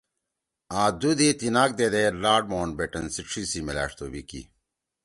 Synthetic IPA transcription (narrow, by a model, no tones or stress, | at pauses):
ãːd̪ud̪et̪inaːk̚d̪ed̪eːlaːɖ̚moːnbeʈɐnsiʂʰisimila̰ːʂt̪obikḭ